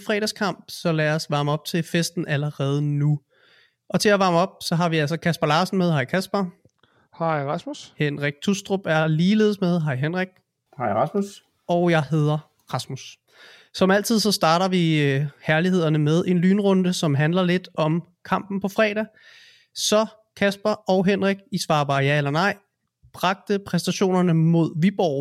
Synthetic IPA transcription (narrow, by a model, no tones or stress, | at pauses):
fʁɛ̰ːɾ̥æskʰɑ̈m̰b̥sɒ̽læːɒsʋɑ̈ːməɒ̽b̥t͡sʰe̝fesd̥n̩ʔæləʁɛːð̞ˠənu | ʔɒ̽t͡sʰe̝æʋɑ̈ːməɒ̽b̥̚sɒ̽ɦɑ̈ʋiæl̰sɒkʰæsb̥ɐlɑ̈ːsn̩með̞ˠɦɑ̈ɪ̰kʰæsb̥ɐ | hɑɪʁɑsmushenʁaɡ̥̚t͡sʰusd̥ʁob̥æɐliːle̝̰ːð̞ˠsmeð̞ˠɦɑ̈ɪɦenʁaɡ̥̚ | hɑ̈ɪʁɑsmus | ɒʊjɑ̈ɪɦe̝ð̞ˠɐ | ʁɑ̈smus | sɒ̽mæl̰t͡sʰið̞̰ˠsɒ̽sd̥ɑ̈ːɾɐʋihʰæɐliɦe̝ð̰ˠɐnəmeð̞ˠe̝nlyːnʁɔ̽nd̥əsɒ̽mɦænlɐle̝d̥ɒ̽m | kʰɑ̈m̰b̥n̩pʰɒ̽fʁɛ̰ːɾæ | sɒ̽ | kʰæsb̥ɐʔɒ̽ʊɦenʁaɡ̥̚isʋɑ̈ːb̥ɑ̈ːjæelɐnɑ̈ɪ̰ | b̥ʁɑ̈ɡ̥̚d̥əpʰʁɛsd̥æɕo̝̰ːnɐnəmo̝ð̞̰ˠʋib̥ɒʊ̰